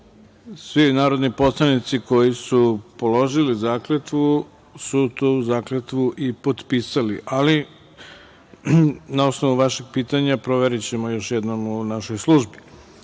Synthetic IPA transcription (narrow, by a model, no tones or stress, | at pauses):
sʋinaːɾo̞d̪nipo̞slˠanit̪siko̞jisupolo̞ʒilizaːklet̪ʋu | sut̪uzaːklet̪ʋuʔipo̞t̪piːsaliʔali | nao̞sno̞ʋuʋaʃeɡ̥̚piːt̪aɲapɾo̞ʋeɾit͡ɕe̞mo̞jo̞ʃjed̪no̞munaʃo̞jslˠuʒbi